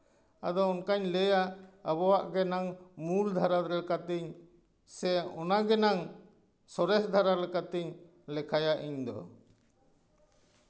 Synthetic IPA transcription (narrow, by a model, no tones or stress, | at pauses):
a̰d̪ɔɔnkaɲlɛjaːbɔwaʔɡɛnaŋmuld̪ʱaɾad̪ɾɛlɛkat̪ɛɲ | sɛɔnaɡɛnaŋ | sɔɾɛsd̪ʱaɾaɾɛlɛkat̪iɲ | lɛkʰajaʔiɲd̪ɔ̰